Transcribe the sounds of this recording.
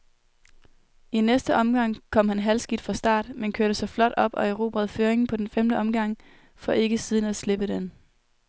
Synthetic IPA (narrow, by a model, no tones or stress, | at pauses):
ʔinesd̥əʔɒ̽mɡ̥ɑ̈ŋ̰kʰɒ̽m̰hænɦælsɡ̥id̥fʁɑ̈sd̥ɑ̰̈ːd̥menkʰøɐɾ̥əsɑ̈ɪflɒ̽d̥ɒ̽b̥ɒ̽eʁo̝ːb̥ʁɛðˠføːɐeŋn̩pʰɒ̽d̥enfemd̥əʔɒ̽mɡ̥ɑ̈ŋ̰ | fɒ̽ʔe̝ɡ̥əsið̞ˠnæsle̝b̥əd̥en